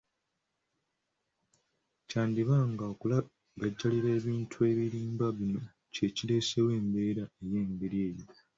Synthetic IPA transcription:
caːndiβaŋɡaokula | ɡaɟːaliɾe̞ːβiːntʰue̞ːβiɾiːmbaβino̞ | ce̞cile̞ːse̞we̞ːmbe̞ːɾae̞je̞ːmbe̞ɾje̞ːjo̞

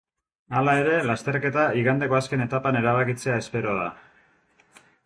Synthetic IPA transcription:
alae̞ɾe̞last̪e̞rke̞t̪aiɣand̪e̞ko̞aske̞ne̞t̪apane̞ɾaβakit͡se̞ae̞spe̞ɾo̞ð̞a̰

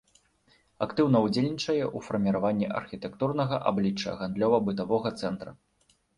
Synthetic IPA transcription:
akt̪ɨwnɐwd͡zʲelʲnʲit͡ʂɐjɛʔufɐrmʲiɾavanʲːiʔɐ̰rxʲit̪ɛkt̪urnɐɣɐʔa̰blʲit͡ʂːɐ̰ɣand̪lʲɔvɐbɨt̪avɔɣɐt̪sɛnt̪ɾɐ

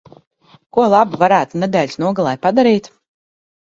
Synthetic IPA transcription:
kuɔlˠabuvaɾæːt̪uned̪ɛːlʲsnuɔɡalˠajpad̪aɾiːt̪

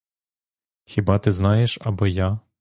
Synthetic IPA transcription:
xʲibɑt̪ɪznɑjeʃɐbɔja

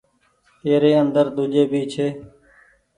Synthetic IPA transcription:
eːɾeːənd̪əɾd̪ʊd͡ʒeːbʱiːt͡ʃʰeː

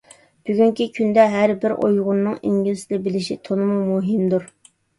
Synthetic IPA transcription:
b̥yɡʲyŋkʲikʲʰynd̪ɛɦæɾbɪɾʔo̰jʁʊnːɨŋiŋɡʲilɪsɪd̪ɛbɪlɪʃit̪ʰonɨmumuɦɪmd̪uɾ

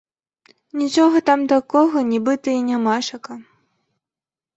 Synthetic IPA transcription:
nʲit͡ʂɔɣɐt̪amt̪akɔɣɐnʲibɨt̪ɐinʲamaʂɐkɐ

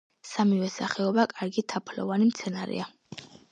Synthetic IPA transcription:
samivɛsaχɛɔbakʼaɾɡit̪ʰapʰlɔ̰vanimt̪sʰɛnaɾɛ̰a

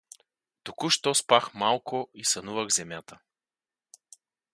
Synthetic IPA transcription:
t̪ukuʃt̪ɔspaxmalˠkʊisɐnuvəɣzɛmʲjat̪ə

